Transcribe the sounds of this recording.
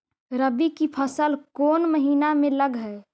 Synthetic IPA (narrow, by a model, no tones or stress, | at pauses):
ɾəbikipʰəsəlkoːnməɦiːnamẽləɡɦɛ